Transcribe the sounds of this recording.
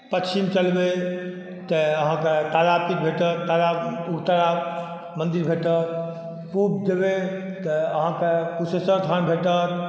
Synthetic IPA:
pət͡ʃimt͡ʃəlbe | t̪əəɦãket̪aɾapit̪̚bʱeʈət̪t̪aɾauɾt̪aɾa | mənd̪iɾbʱeʈət̪̚ | pubd̪ebe | t̪əəɦãkekusəsəɾt̪ʰanbʱeʈət̪

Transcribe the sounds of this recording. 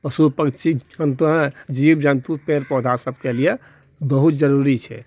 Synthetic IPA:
pəsupəkt͡ʃiənt̪uɦd͡ʒibd͡ʒənt̪upeɾpɔd̪ʱasəbkelije | bəɦut̪̚d͡ʒəɾuɾit͡ʃʰɛ̰

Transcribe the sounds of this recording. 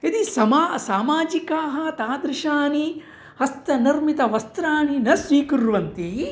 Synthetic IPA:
id̪isɐmaːsaːmaːd͡ʒikaːɦɐ̆t̪aːd̪ɾɪʃaːni | hɐst̪ɐniɾmit̪ɐʋɐst̪ɾaːninɐsʋiːkuɾʋɐnt̪i

